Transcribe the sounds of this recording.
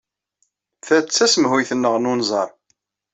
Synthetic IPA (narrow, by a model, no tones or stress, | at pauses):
θæt͡sːæsəmɦujθənːəʁnunzˤɑ̰ɾˤ